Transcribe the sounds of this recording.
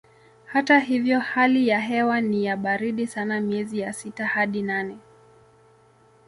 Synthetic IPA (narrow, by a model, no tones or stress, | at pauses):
hatahivjɔhalijaɦɛwanijaɓaɾiɗisanamiɛzijasitahaɗinanɛ